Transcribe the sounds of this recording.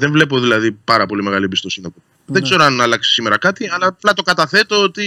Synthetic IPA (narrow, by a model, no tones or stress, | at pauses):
ðeɱvle̞po̞ðilɐðipɐɾɐpo̞limeɣɐliebist̪o̞sinɐpo | ðeɡze̞ɾoɐnɐːlɐksi̥sime̞ɾɐkɐt̪iɐlɐplɐt̪o̞kɐt̪ɐθe̞t̪o̞ot̪i